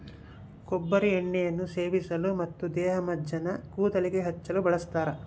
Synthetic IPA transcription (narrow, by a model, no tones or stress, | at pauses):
kobːɐɾieɳːɛjɐnːuse̞ːʋisɐlumɐt̪ːud̪ɛːɦɐmɐd̪ʱjɐnɐkuːt̪ɐlikeɦɐt͡ʃːɐlubɐɭɐst̪aːɾɐ